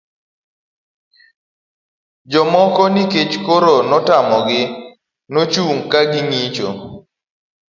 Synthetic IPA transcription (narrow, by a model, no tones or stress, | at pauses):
d͡ʒɔmɔkɔnɪket͡ʃkoɾonɔtamɔɡɪ | not͡ʃuŋkaɡɪŋit͡ʃo̰